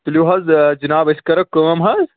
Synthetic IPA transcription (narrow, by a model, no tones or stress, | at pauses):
t̪luɦɐzd͡ʒinaːbɐskɐɾɐkːoŋɐmɦɐz